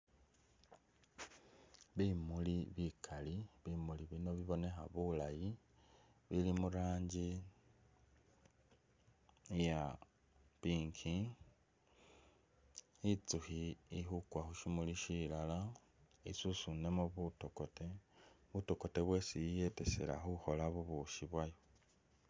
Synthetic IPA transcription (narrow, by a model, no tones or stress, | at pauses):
βimuliβikʰaliβimuliβino̞βiβo̞ne̞xaβulaji | βilimuɾaːɲɟi | ja | piːŋkʰi | it͡suhiixukwaxuʃimuliʃilala | ḭsusune̞moβutokote | βutoko̞te̞βwe̞sijjete̞sḛɾa̰xuxo̞laβuβuʃiβwajo